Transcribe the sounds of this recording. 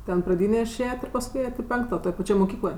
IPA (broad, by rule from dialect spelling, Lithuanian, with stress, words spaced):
ˈtʲɛn prɐˈdʲiːnʲeː ɪˈʃʲeːjɛtʲ ɪr pɐsˈkʊɪ ˈeːjɛtʲ ɪ ˈpʲɛŋktoː toːj pɐˈt͡ʃʲoːj moːˈkʲiːklˠoːj